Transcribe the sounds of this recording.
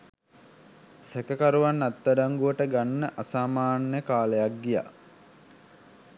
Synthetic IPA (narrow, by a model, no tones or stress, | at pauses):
sekəkaɾuʋanːat̪ːaɖaŋɡuʋəʈəɡanːəʔasaːmaːnjəkaːlejak̚ɡija̰